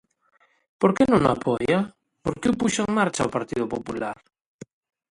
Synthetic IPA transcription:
poɾkenõŋa̰pʰoja | poɾkeupuʃoeŋmaɾt͡ʃaopaɾt̪iðopopulaɾ

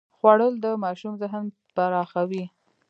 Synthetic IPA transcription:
xwaɽəld̪əmɑʃumzəɦn | panɑxawi

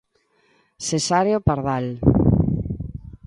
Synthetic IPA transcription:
sesaɾjopaɾðal

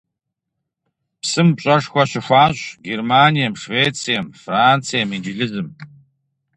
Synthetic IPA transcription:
psɨmpt͡ʃʼɐʂxʷaɕɪxʷaːɕʷɡermaːnijamʂveːt͡sʰʼijamfrant͡sʰijamind͡ʒɪɮɨzɨm

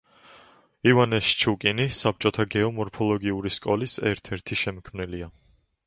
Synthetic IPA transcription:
ivanɛst͡ʃʰukʼinisap̚ʰt͡ʃʼɔt̪ʰaɡɛɔmɔɾpʰɔlˠɔɡiuɾiskʼɔlisɛɾt̪ʰɛɾt̪ʰiʃɛmkʰmnilia

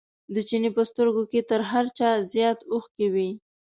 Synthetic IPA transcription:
d̪ət͡ʃinepəst̪əɾɡoket̪əɾɦaɾt͡ʃɑzjɑt̪oxkawi

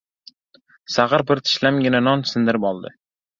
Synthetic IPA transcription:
saʁɑɾbɪɾt̪ʰɪ̥ʃlamɡʲɪnanɒnsɪnd̪ɪɾɪpɒlˠd̪ɪ̰

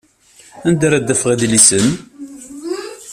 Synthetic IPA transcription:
ænd̪aɾæd̪ːæfəʁaðlisən

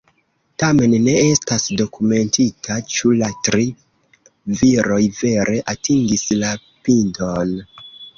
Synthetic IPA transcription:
tame̞nːe̞estasdo̞kume̞ntitʰat͡ʃulatɾi | viɾo̞jve̞ɾe̞ʔatiŋɡisla | pindon

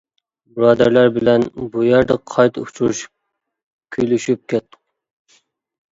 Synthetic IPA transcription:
bɾɑːd̪æɾlæɾbɪlɛnbujæɾd̪əqʰɑjt̪ʰṵpt͡ʃʰuɾuʃ | kʲʰyjlyʃyp̚kʲʰɛt̪ːʊ̥q

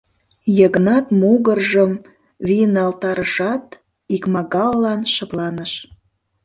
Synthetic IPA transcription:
jəɣə̆nɑt̪muɣərʒəm | βiənɑlt̪ɑɾəʃɑt̪ | ikmɑɣɑlːɑnʃəplɑnəʃ

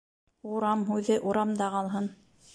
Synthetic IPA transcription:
uɾɑmɦʉðɘʔuɾɑmd̪ɑqɑlˠɦɤn

